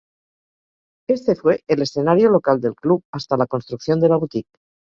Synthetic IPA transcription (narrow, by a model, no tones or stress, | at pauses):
e̞st̪e̞fwe̞ʔele̞sθe̞naɾjolo̞kald̪e̞lkluβast̪alako̞nst̪ɾukθjo̞nd̪e̞laβut̪ik̚